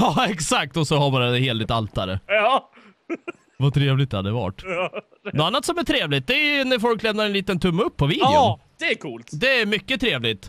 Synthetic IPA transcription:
ɑːɛksak̚t̪ɔsɔhaɾbɑːɾad̪ɛheːlɪt̪alt̪aɾə̰ɑ | vat̪ʰɾeːvlɪt̪̚d̪ɛhad̪ɛva̰ʈː | nɔanːat̪sɔmæʈ̪ʰɾeːvlɪt̪̚d̪ɛæjɵnæɾfɔlklɛmnaɾɛniːt̪ənt̪ʰɵmːɵpʰːɔviːdjʊd̪̥ɛkʰuːlt̪d̪ɛæɾmʏkːət̪ʰɾeːvlɪt̪

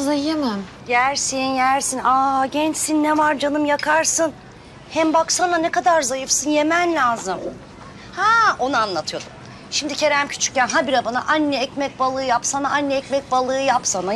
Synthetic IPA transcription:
zajemæm | jæɾsinjæɾsinaɟɛnt͡ʃsinːɛvaɾd͡ʒanɯmjakʰaɾsɯn | hɛmbaksananɛkad̪aɾzajɯfsɯnjemænlʲaːzɯm | hao̞nuanlˠat̪ʰɯjo̞d̪um | ʃimd̪icʰe̞ɾæmcʰy̥t͡ʃʰy̥c̚ːɛnɦabiɾabana̰ʔanːɛɛcmɛc̚balˠɯːjapsanaʔanːɛɛcmɛc̚balˠɯːjapsana

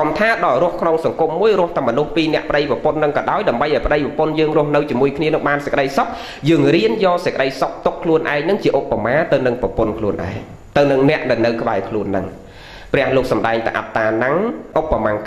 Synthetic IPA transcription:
kɑmt̪ʰaːɗɑlrʊ̆əhkʰnoŋsɑŋkumːuəjrʊ̆əht̪ːmːɔnuhpiːnɛ̆əʔpə̆ɗəjpɑəpʊnːɨŋkɑːɗaɔjɗaəmɓəjʔɑɔjpə̆ɗəjprɔpʊnjəːŋrʊ̆əhnɨwt͡ɕiəmuəjkʰniənɨŋɓaːnsəckəɗəjsok̚ | jəːŋriənjɑːsəckə̆ɗəjsok̚t̪ukʰːluənʔaɛkŋnɨŋt͡ɕiəʔopːamaːt̪ɨwnɨŋpɑpʊnkʰluənʔa̰ɛŋ | t̪ɨwnɨŋnɛ̆əʔɗanɨwkəɓaɛkʰluənːɨŋ | prɛ̆əhloːk̚sɑmɗaɛŋt̪ɨ̰ʔa̰t̪ːaːnaŋʔopːamaːŋ

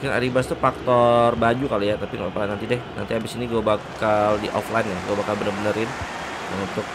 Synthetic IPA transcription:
kɪna̰ɾibast̪ufak̚t̪ɔrbad͡ʒukalujat̪apiŋa̰ɔplajnant̪idɛhna̰nt̪iabɪsiniɡuabakaldiʔɔ̰flaɪnjahɡuabakalbənərbənəɾɪn | unt̪ʊk̚

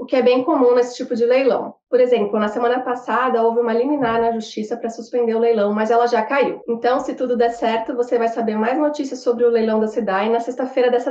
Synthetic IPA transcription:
ʊkɪɛbẽj̃komũnesɪ̥t͡ʃipʊd͡ʒɪlejlɐ̰̃w̃poɾezẽmplʊnɐsemɐ̃nɐpasad̪ɐowvɪũmɐliminaɾnɐʒust͡ʃisɐpɾɐsuspẽnd̪eɾʊlejlɐ̃w̃mɐzɛlɐʒakaiwẽnt̪ɐ̃w̃sɪt̪ud̪ʊd̪ɛɾsɛɾt̪ʊvosevajsabeɾmajznot͡ʃisiɐsobɾɪʊlejlɐ̃w̃d̪ɐsid̪ad͡ʒɪnɐsest̪ɐfejɾɐd̪ɛsɐ

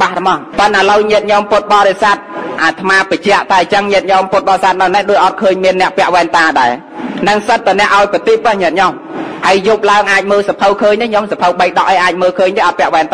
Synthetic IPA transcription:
ɓahɾɨmɑhpənʔaləwɲiət̪̚ɲomput̪̚ɓɑːɾesat̪̚ʔaːt̪ʰmaːpət͡ɕɛ̆əʔt̪aɛt͡ɕəŋɲiət̪̚ɲomput̪̚ɓɑːɾesat̪̚nawnɛhɗoːc̚ʔɑt̪̚kʰəːɲmiənːɛ̆əʔpɛ̆əʔʋaɛnt̪aːɗaɛ | nɨŋsət̪̚ːanɛ̆əʔaɔjpət̪iːpːəhɲiət̪̚ɲom | həəjjup̚laəŋʔaːc̚məːlsapʰəwkʰəːɲt̪eɲomsapʰəwɓəjɗɑʔəjʔaːc̚məːlkʰəːɲɗ̪eːʔɑt̪̚pɛ̆əʔʋaɛnt̪

